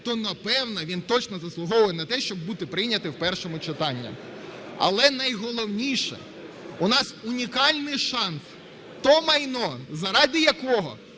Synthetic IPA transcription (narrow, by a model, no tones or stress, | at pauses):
t̪ɔnɐpɛwnɐʋʲint̪ɔt͡ʃnɔzɐslˠʊɦɔʋenɐt̪ɛʃt͡ʃɔbːut̪ɪpɾɪjnʲɐt̪ɪwpɛrʃɔmʊt͡ʃɪt̪ɑnʲːḭ | ɐ̰lˠɛnɐjɦɔlˠɔwnʲiʃɛ̰ | ʊnɑsʊnʲikɑlʲnɪjʃɑns | t̪ɔmɐjnɔzɐɾɑdʲɪjɐkɔɦɔ̰